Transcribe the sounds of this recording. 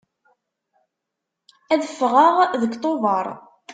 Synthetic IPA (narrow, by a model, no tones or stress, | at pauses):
æðəfːʁəʁðəkt̪ˤovɑɾˤ